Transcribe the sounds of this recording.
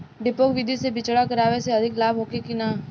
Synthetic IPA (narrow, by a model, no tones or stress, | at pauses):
ɖɪpoːkʋɪd̪ʱisebɪt͡ʃɽakɐɾaːʋeseɐd̪ʱɪklaːbʱɦoːkekinaː